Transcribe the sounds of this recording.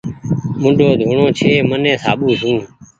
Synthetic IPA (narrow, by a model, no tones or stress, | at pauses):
mʊ̃ɖʱoːd̪ʱuːɳoːt͡ʃʰeːmənẽːsaːɓuːsũː